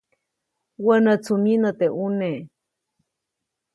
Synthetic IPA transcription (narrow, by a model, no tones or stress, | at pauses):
wənət͡sʰuminət̪eʔune